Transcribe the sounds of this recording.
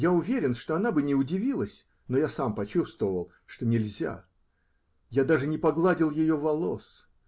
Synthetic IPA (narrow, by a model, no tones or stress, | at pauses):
jaʊvʲeɾʲɪnʂt̪oɐnabɨnʲɪʊdʲɪvʲilˠəsʲ | nojasampɐt͡ɕust̪vəvəlˠ | ʂt̪o̞nʲɪlʲzʲa̰ | jad̪aʐɨnʲɪpɐɡlˠadʲɪlˠjɪjovɐlˠo̞s